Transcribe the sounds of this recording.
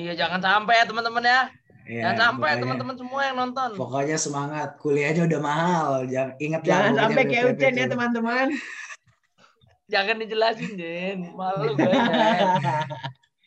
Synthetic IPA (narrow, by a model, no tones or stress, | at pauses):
ijad͡ʒaŋansampɛjat̪əmant̪əmənja | ijasampaat̪əmənt̪əmənsəmuajaŋnɔnt̪ɔnpokoɲasəmaŋat̪̚kuliahɲaudahmaɦald͡ʒaiŋət̪̚d͡ʒaŋansampɛkajaʔut͡ʃɛnjat̪əmant̪əman | d͡ʒaŋandid͡ʒəlasɪnd͡ʒenmaluk